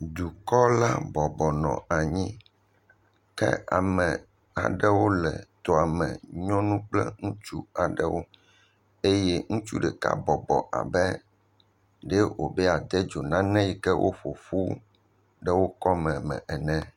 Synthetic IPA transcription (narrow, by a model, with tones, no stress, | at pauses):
d̪u˨kɔ˦la˦bɔ˨bɔ˨nɔ̰̃˨a˨ɲĩ˦ | kɛ̰˦a̰˨mɛ̃˨ | a̰˨ɖɛ˦wo˦lɛ̰˨t̪o˨a˨mɛ̰̃˨ɲɔ̃˦nũ˦k͡plɛ̰˦ŋũ˦t͡ʃu˦a˨ɖɛ˦wo˦ | e˦jɛ˦ŋũ˦t͡ʃu˦ɖɛ˨ka̰˦bɔ˨bɔ̰˨ʔa̰˨bɛ˦ | ɖɛ˦wo̰˨bɛ˦a˨d̪ɛ˦d͡ʒo˨nã˦nɛ̃˦ji˨kɛ˦wʔo̰˦ɸo˨fu˦ | ɖɛ˦wo˦kɔ˦mɛ̃˨mɛ̰̃˨ɛ˨nɛ̃˦